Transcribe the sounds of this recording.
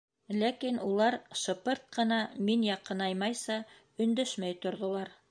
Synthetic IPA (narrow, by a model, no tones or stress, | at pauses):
lækinulˠɑɾʃŏpɤɾt̪̚qɤ̆nɑminjɑqɤnɑjmɑjsɑ | ɵ̆nd̪æʃmæjt̪ŏɾðŏlˠɑɾ